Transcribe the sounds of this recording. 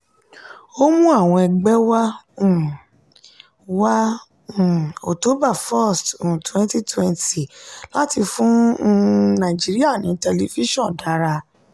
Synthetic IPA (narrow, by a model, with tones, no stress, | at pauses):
o˦mũ˦a˦˨w̃ɔ̃˧ɛ˧ɡ͡bɛ˦wã˦˨ | wã˦˨ | o˨to˨˦ba˦˨fɔ˦˨sttwɛ̃˦nti˦twɛ̃˧nti˨la˦ti˧fũ˦˧ | nã˨i˨d͡ʒi˦ɾi˦a˦˨nĩ˨˦tɛ˧li˧fi˦ʃɔ̃˦˨da˨˦ɾa˧